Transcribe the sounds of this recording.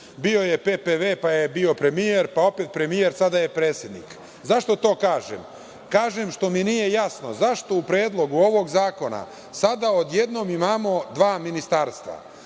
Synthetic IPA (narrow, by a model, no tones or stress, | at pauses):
bio̞je̞pepeʋepajebio̞pɾe̞mije̞ɾpao̞pe̞t̪pɾe̞mije̞ɾsad̪aje̞pɾeːt̪sje̞d̪nḭk | zaʃt̪o̞t̪o̞ːkaːʒḛm | kaːʒe̞mʃt̪o̞minije̞jasno̞̰zaʃt̪o̞upɾeːd̪lˠoɡuo̞ʋo̞ɡzaːko̞na̰ | sad̪ao̞d̪je̞d̪no̞ːmimaːmo̞d̪ʋaːminist̪aːɾst̪ʋa̰